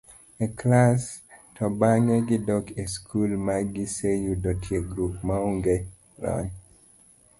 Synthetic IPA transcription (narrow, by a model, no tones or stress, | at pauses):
ekʰlastʰɔbaŋeɡidɔkeskʰulmaɡisejudɔtʰieɡɾup̚mauŋɡe | lɔ̰n